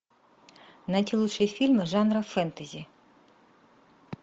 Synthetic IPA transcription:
nɐtʲilˠut͡ʃejfʲilʲmɪʒɑnɾɐfɛnt̪ɐzʲi

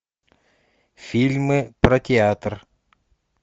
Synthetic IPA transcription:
fʲilʲmɨprɐtʲɪat̪r

